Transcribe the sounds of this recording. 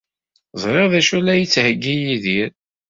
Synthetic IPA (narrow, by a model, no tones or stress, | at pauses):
zˤɾˤeʁðæʃulːæjət͡sːhəɡːijiðiɾ